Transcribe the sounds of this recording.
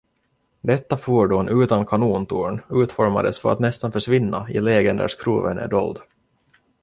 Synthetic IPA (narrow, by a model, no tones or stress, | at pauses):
d̪ɛt̪ːafuːɖuːnʔʉ̟ːt̪ankʰanuːnt̪ʰuːɳʉ̟ːt̪fɔɾma̰d̪əsfœɾa̰t̪nɛst̪anfœʂvɪnːaɪlɛːɡɛnd̪æ̰ʂkʰɾṵːvə̰nʔæ̰ɖɔ̰ld̪